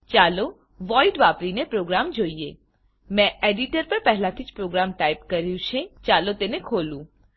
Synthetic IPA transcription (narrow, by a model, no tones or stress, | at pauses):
t͡ʃalo | ʋɔiɖʋapɾinepɾoɡɾamd͡ʒoie | mɛ̃eɖiʈəɾpəɾpɛɦɛlat̪ʰid͡ʒpɾoɡɾamʈajpkəɾjũt͡ʃʰẽt͡ʃalot̪enekʰolũ